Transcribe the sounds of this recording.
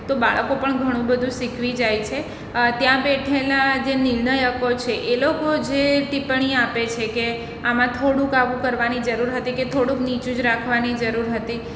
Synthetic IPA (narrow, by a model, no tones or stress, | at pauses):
t̪obaɭəkopəɳɡʱəɽ̃ũbəd̪ʱũsikʰʋid͡ʒajt͡ʃʰe | t̪jãbɛʈʰelad͡ʒenɪɾnəjəkot͡ʃʰeʔelokod͡ʒeʈipəɳ̃iapet͡ʃʰeke | amãt̪ʰoɽũkaʋũkəɾʋanid͡ʒəɾuɾɦət̪iket̪ʰoɽũknit͡ʃũd͡ʒɾakʰʋanid͡ʒəɾuɾɦət̪i